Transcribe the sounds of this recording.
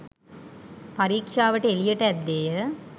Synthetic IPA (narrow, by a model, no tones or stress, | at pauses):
pɐɾiːkʂaːʋɐʈːeelɪjɐʈːɐɐd̪ːeːjɐ